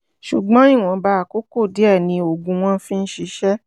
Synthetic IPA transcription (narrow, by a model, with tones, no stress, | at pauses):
ʃu˨ɡ͡bɔ̃˨˦ĩ˦˨w̃ɔ̃˨˧ba˧˦a˨ko˦ko˦˨di˨˦ɛ˦˨nĩ˧o˨ɡũ˧w̃ɔ̃˦fĩ˦˧n̩˦ʃi˧ʃɛ˦